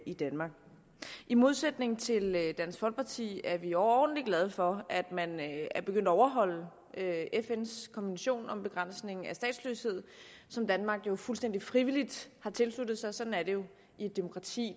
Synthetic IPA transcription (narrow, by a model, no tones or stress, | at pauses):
id̥ænmɑ̈ɡ̥ | ʔimo̝ð̞ˠsed̥ne̝ŋ̩t͡sʰe̝ld̥æn̰sfɒ̽lɡ̥̚pʰɑ̈t͡sʰḭːæɐʋiɒɒːd̥n̩dliɡ̥lɛð̞ˠfɒ̽æd̥mænɐb̥eɡ̥øn̰d̥ɐɒʊɐɦɒ̽l̰ə | øefenskʰɒ̽nʋenɕo̝̰ːnɒ̽mb̥e̝ɡ̥ʁɑn̰sne̝ŋŋ̩æsd̥ɛ̰ːd̥sløshe̝ð̞̰ˠsɒ̽md̥ænmɑ̈ɡ̥jo̝fulsd̥end̥ifʁiʋilid̥hɑ̈t͡sʰe̝lslud̥ð̩ˠsɑ̈ɪsɒ̽d̥n̩æɐɾe̝jo̝ | ied̥e̝mo̝kʰʁɑ̈t͡sʰḭː